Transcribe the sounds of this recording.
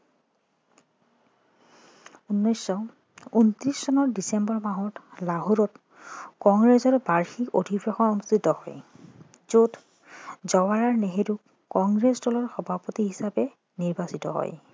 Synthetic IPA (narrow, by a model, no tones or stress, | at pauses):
unːɔjsːɔ | untɹisːɔnɔɹdisembɔɹmaɦɔtlaɦuɹɔt | kɔŋɡɹezɔɹbaɹxikodʱibɹɔxɔnonustitɔhɔ̰j | zot | zɔwaɹaɹneɦedukː | ɔŋɡɹesdɔlɔɹxɔbʱapotiɦisapɛ | niɹbasitɔ̰ɦɔ̰j